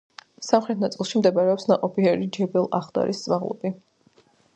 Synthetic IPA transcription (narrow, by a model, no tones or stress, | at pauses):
samχɾɛt̪ʰnat̪sʼilˠʃimd̪ɛbaɾɛɔpsnaqʼɔpʰiɛɾid͡ʒɛbɛlˠaχd̪a̰ɾist̪sʼmaʁlˠɔ̰bi